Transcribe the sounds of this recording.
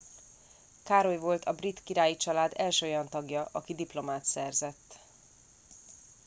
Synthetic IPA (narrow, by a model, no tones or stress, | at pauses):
kaːɾo̞jvo̞lt̪ʰɒbrit̪kiɾaːjit͡ʃɒlaːd̪ɛlʃøːojɒnt̪ɒɡjɒʔɒkid̪iplo̞maːt̪sɛrzɛt̪ː